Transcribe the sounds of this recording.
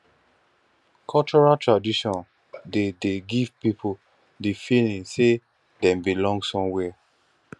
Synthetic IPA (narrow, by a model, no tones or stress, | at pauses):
kʰɔlt͡ʃɔɹatɹadiʃɔ̃n | dedeɡiv̥pipʰo | difilĩnse | dɛ̃mbilɔ̃ŋɡsɔ̃mwɛ